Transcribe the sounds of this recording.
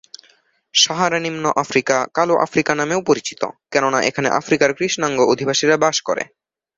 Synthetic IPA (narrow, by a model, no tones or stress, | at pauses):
ʃɔɦaɾanimnoʔafɾikakaloʔa̰fɾikanameupoɾit͡ɕi̥t̪o̰kɛnonaʔḛkʰanḛʔa̰fɾikaɾkɾiʃnaŋɡoʔod̪ʱibʱaʃiɾabaʃkoɾḛ